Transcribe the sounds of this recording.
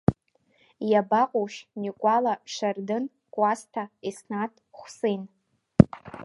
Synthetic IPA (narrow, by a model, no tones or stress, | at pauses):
jabaqʼoʃnikʷʼalaʂardɨn | kʷʼastʰaisnatʰʼχʷsen